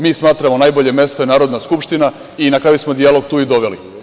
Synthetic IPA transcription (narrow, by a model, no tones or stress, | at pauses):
miːsmaːt̪ɾamo̞naːjboʎe̞mje̞st̪oenaːɾo̞d̪naskupʃt̪ina | inakɾaːjusmod̪ialo̞ɡ̚t̪uːid̪o̞ʋe̞lḭ